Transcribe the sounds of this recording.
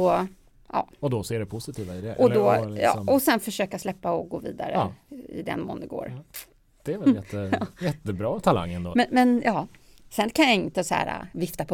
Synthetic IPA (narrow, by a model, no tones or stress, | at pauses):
ɔ | ʔɑ̰ːɔd̪ɔsːɖɛpʰʊsɪt̪ʰiːvaɪd̪ɛʔɔd̪ɔjɑ̰ɔsɛnfœʂøːkaslɛpːaɔɡoːvḭːd̪a̰ɾə̰ɪ̰d̪ɛ̰nmɔːnɡo̰ːɾ | d̪̥ɛːɾvɛljɛt̪ʰːəjɛt̪ːəbɾɑːt̪ʰala̰ŋːənd̪ɔmɛnmɛnjɑː | sɛnːkʰanjaɪnt̪əsæ̰ːɾa̰vɪft̪apʰɔ